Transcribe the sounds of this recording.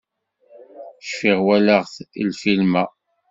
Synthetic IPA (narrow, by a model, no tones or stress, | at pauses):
ʃfiʁwælæʁθḭlfilmæ